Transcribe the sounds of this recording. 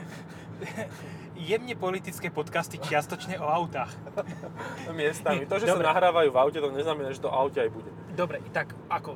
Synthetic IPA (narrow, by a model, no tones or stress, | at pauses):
jɛmɲɛpɔlit̪it͡skɛːpɔt̪kast̪it͡ʃɪast̪ɔt͡ʃɲɛɔaʊt̪aːx | mɪɛst̪ammit̪ɔʒɛsanaɦɾaːʋajuːvaʊcɛt̪ɔɲɛznamɛnaːʒɛt̪ɔʔaʊcɛajbuɟɛ | d̪ɔbɾɛʔit̪ak | ʔakɔ